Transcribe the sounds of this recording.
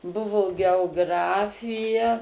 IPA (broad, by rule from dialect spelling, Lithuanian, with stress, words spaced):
ˈbʊʋoː ɡʲɛoːˈɡrɑːfʲɪjɛ